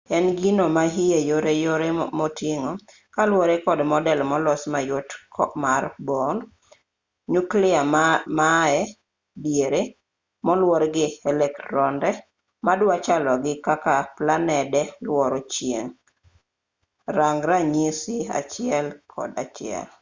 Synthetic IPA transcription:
ɛnɡinomaɦijejoɾejoɾemotiŋɔ | kalwɔɾekɔdmɔdɛlmɔlɔsmajotkɔmarbɔn | ɲuklɪamaɛ | djeɾe | mɔlwɔɾɡɪɛlɛktɾɔndɛ | madwat͡ʃalɔɡɪkakaplanɛdɛlwɔɾot͡ʃjḛŋ | raŋɾaɲisɪa̰t͡ʃɪɛlkʰɔ̰dat͡ʃɪɛ̰l

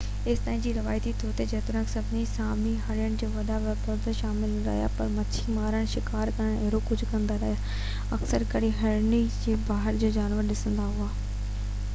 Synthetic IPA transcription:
ɪst̪ãːɦɪ̃nd͡ʑiːɾɐʋaːjt̪it̪ʰoːt̪ed͡ʑɐːt̪ʊɾə̃ksɐbʱɪnisaːmiɦaɾɪjəɽ̃d͡ʑoːʋɐɗaʋɐpɔɾd̪əʃaːmɪlɾɐ̰ɦja̰pɐɾmɐt͡ɕʰimaːɾəɽ̃ʃɪkaːɾkɐɽ̃ɪɦɾokʊd͡ʑʱʊkɐ̃nd̪aɾɐɦja | ɐksəɾkɐɽiɦɐɾnid͡ʑiːbaːɦɪɾd͡ʑoːd͡ʑaːnʋəɾɗɪsə̃nd̪aɦuaː

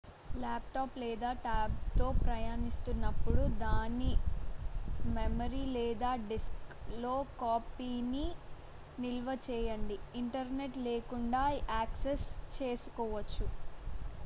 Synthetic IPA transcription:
laːp̚ʈaːplɛːd̪aːʈaːb̚t̪o̞ːpɾɐjaːnist̪unːɐpːuɽud̪aːni | memɐɾiːlɛːd̪aːɖisklo̞ːkaːpiːni | nilʋɐt͡ʃɛːjɐɳɖiːɳʈɐɾne̞ʈleːkuɳɖaːaːksest͡ʃe̞ːsu̥kɔːʋɐt͡ʃːu

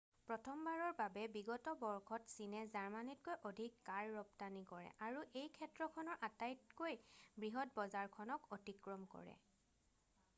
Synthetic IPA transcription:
pɹɔtʰɔmbaɹɔɹbabɛbiɡɔtɔbɔɹkʰɔtsinɛzaɹmanit̚kojʔɔdʱikːaɹːɔptanikɔɹɛ̰ʔaɹuʔejkʰɛtɹɔkʰɔnɔɹʔatajtkojbɹiɦɔt̚bɔzaɹkʰɔnɔkɔtikɹɔmkɔ̰ɹɛ̰

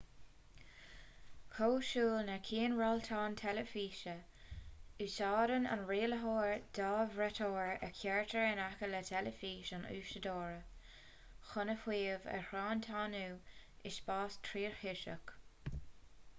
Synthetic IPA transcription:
kʰoːʃuːlnəkʰiːnɹaltʰɑːntʰɛləfiːʃə | isɑːɾəna̰nɹeːləɦoːɹd̥ɑːvɹɛtʰoːɹəkʰjɛɹtʰəɹənakələtʰɛləfiːʃanṵːʃədoːɹə | xʊnəfwiːvə̰hɾɑːnt̪ʰaːnuːɪʃb̥ɑːstʰɾiːɹhɪʃə̰k

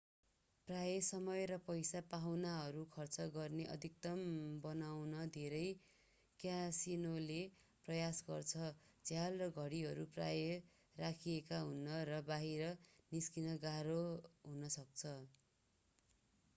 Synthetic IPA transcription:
prajʌsʌmʌjɾʌpʌjsapaɦwnaɦʌɾukʰʌrt͡sʌɡʌrneʔʌ̰d̪ʱik̚t̪ʌmbʌnawnʌd̪ʱeɾʌj | kjasinole | prʌjasɡʌrt͡sʰʌd͡zjalrʌɡʱʌɽiɦʌɾupra̰jʌ | rakʰiekaɦunːʌrʌbaɦiɾʌniskinʌɡaɾoɦunʌsʌk̚t͡sʰʌ

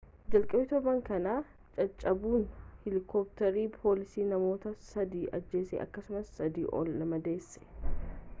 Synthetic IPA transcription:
d͡ʒɐlkʼɐbɪt̪obɐŋkɐnaː | t͡ʃʼɐt͡ʃʼːɐbuːnhɪlɪkʰɔːp̚t̪ɛɾiːpʰoːlɪsiːnɐmo̞ːt̪ɐsɐd̪iːʔɐd͡ʒːe̞ːsḛːʔɐ̰kːɐsʊmɐsːɐd̪ḭːʔɔ̰lːɐmɐd̪e̞ːsːɛ̥

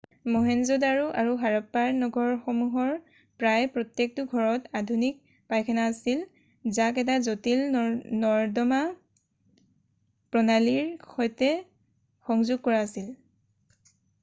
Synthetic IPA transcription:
mɔɦɛnzudaɹuʔaɹuɦaɹɔpːaɹnɔɡʱɔɹxɔmuɦɔɹ | pɹajpɹɔtjek̚tʊɡʱɔɹɔtadʱunik̚ | pajkʰɛnaːsil | zakɛt̬azotilnɔɹdɔma | pɹɔnaliɹxojtɛ | xɔŋzuɡ̚kɔɹaːsil

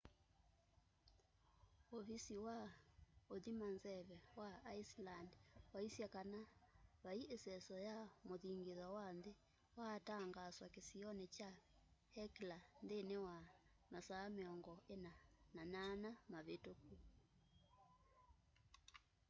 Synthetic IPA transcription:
ɔfisiwaoðimanzɛβɛwaːislandwaisjakanaβaiʔesɛsɔjamoðiŋɡeðwawanðe | wataŋɡaswakesiɔnet͡ʃa | hɛklandenewa | masaːmeɔŋɡɔʔenanananamaβetoku

